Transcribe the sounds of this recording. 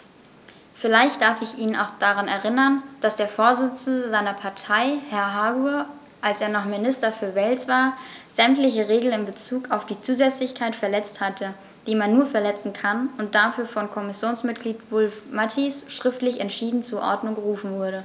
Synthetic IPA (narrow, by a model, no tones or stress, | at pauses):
fɪlaɪçt̚d̥aɐfɪçʔiːnəna̰ʊxd̥aʁanɛɐʁ̞ɪnɐnd̥asd̥eːɐfoːɐzɪt͡sn̩dəzaɪnɐpʰaɐtʰaɪhɛɐɦaːɡuɐ | ʔalsʔeːɐnɔχmɪnɪstɐfyːɐvɛlt͡sv̥aːɐz̥ɛmtlɪçəʁeːɡl̩nɪmbət͡suːkaʊfd̥iːt͡suːzɛt͡slɪçkʰaɪtfɛɐlɛt͡sthatʰə | d̥iːmanːuːɐfɛɐlɛt͡sn̩kʰanʊnt̚d̥afyːɐfɔnkʰɔmɪsjoːnsmɪt̚ɡ̥liːtvʊlfmatʰisʃʁ̥ɪftlɪçɛntʃiːdn̩t͡suːɐʔɔ̰ɐdnʊŋɡəʁuːfn̩vʊɐɾə